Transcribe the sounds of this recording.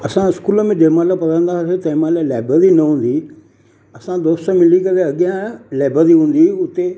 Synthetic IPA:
ɐsãɪskuːləmẽɖeːmaːlapɐɾə̃nd̪aset̪ɐːmaːlaleːbəɾinɐɦũːn̆d̪i | ɐsãd̪oːst̪əmɪlikɐɾeɐɠjãleːbəɾiɦũːn̆d̪iʊt̪e

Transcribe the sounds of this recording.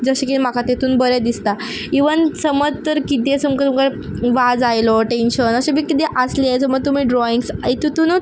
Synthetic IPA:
d͡zəɕekim̤akat̪et̪ʰuːnbəɾad̪ist̪a | iʋənsəməd͡zt̪əɾkit̪esumkət̪umka | ʋad͡zajlɔʈenɕənəɕemiːkit̪eʔasliajt͡səməɡ̚t̪um̤iːɖɾɔiŋɡsait̪ut̪unu

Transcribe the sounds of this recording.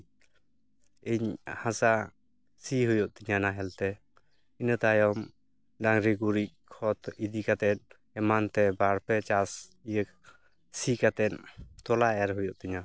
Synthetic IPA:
iɲhãsa | siɦujɔʔ̚t̪iɲanaɦɛlt̪ɛ | inət̪ajɔm | ɖaŋɾiɡuɾic̚kʰɔt̪id̪ikat̪ɛt̪̚ | ɛmant̪ɛbaɾpɛt͡ʃasijək | sikat̪ɛnt̪ɔlaɛɾɦujɔʔt̪iɲa

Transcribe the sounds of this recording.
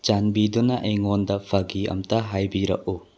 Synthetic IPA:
t͡ʃanbidɔnɐʔɐjŋɔndɐpʰaɡiɐ̰mtaɦajbiɾɐ̰ʔ̚u

